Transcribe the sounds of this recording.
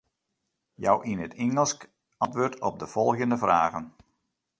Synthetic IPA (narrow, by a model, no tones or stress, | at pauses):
ja̰wʔinətʰɪŋəlˠsk | ɑntʋøːrtʰɔb̚dəv̥ɔlˠɣəndəvra̰ːɣən